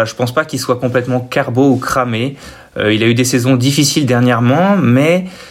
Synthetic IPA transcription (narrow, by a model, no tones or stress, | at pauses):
aʒəpɑ̃spakʲilswakɔ̃plɛt̪mɑ̃kaʁboukχame | ø̰iljayd̪esɛzɔ̃d̪ifisild̪ɛʁnjɛʁmɑ̃mɛ